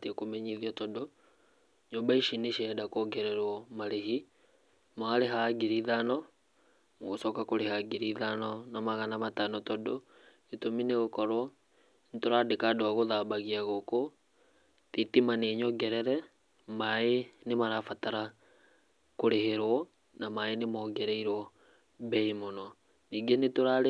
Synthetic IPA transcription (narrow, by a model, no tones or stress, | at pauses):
tekomɛɲiðiatɔdo | ɲombaiʃineʃɛdakoɡɛɾɛɾwɔmaɾeɦi | maɾeɦaɡiɾiðanɔ | ŋɣosɔkakoɾehaɡiɾiðanɔnamaɣanamatanɔtɔdo | etomineɣokɔɾwɔ | netoɾadekadaɣoðaːbaɣiaɣoko | titimaneɲɔɡɛɾɛɾɛ | maenemaɾafataɾa | koɾeheɾwɔ | namaenemɔːɡɛɾɛiɾwɔ | bɛimonɔ | niɡenetoɾaɾe